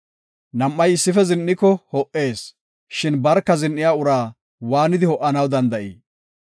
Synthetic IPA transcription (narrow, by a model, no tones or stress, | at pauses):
nɐmːɐjɪsːɪfɛzɪnːɪkːɔhɔʔe̞ːs | ʃɪnbɐɾkːɐzɪnːɪjaːʊɾaː | waːnɪd̪ɪhɔʔːɐnɐwd̪ɐnd̪ɐʔḭː